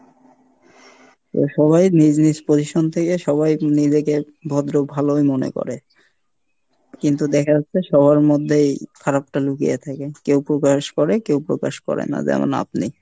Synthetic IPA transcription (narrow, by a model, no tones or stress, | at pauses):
t̪o̰ʃɔβajnid͡ʑnispod͡ʑiʃont̪ʰekeʃɔβajnid͡ʑeke | bʱɔd̪ɾobʱalojmonḛko̰ɾe | kint̪ud̪ɛkʰaatːʰeʃɔβʱaɾmod̪ʱːejkʰaɾap̚ʈalukḭjḛt̪ʰakekewpɾokaʃkɔɾekewpɾokaʃkɔ̰ɾḛna̰d͡ʑɛ̰mo̰na̰pni